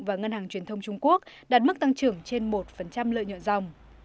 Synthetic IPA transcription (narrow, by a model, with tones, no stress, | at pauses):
vaː˨˩ŋə˧nhaː˨˩ŋt͡ɕwi˨˩ənt̪ʰə˧wŋ͡mt͡ɕʊ˧ŋ͡mku˦˥ək̚ | ɗaː˨˩t̚mɨ˦˥k̚t̪a˧ŋt͡ɕɨ˨˩əŋt͡ɕe˧nmo˨˩t̚fə˨˩nt͡ɕa˧mlə̰ː˧˨ɲɔ̰˧˨nza˨˩wŋ͡m